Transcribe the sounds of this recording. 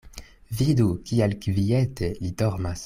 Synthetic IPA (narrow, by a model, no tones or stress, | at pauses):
vidukialkvietelidɔʁmas